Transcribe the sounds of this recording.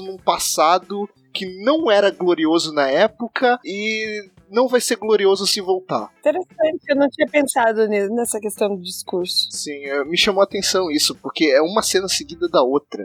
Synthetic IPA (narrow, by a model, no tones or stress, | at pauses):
nũpasad̪ʊ | kɪnɐ̃w̃ɛɾɐɡloɾiozʊnɐɛpʊkʰɐɪ | nɐ̃w̃vajseɾɡloɾiozʊsɪvowt̪a̰ɾĩt̪eɾesɐ̃nt͡ʃɪ̥ewnɐ̃w̃t͡ʃĩɲɐpẽsad̪ʊninɛsɐkest̪ɐ̃w̃d̪ʊd͡ʒiskuɾsʊ̥sĩɛmɪʃɐ̃mowat̪ẽsɐ̃w̃isʊpoɾkeɛũmɐsẽnɐseɡid̪ɐd̪ɐot̪ɾɐ̰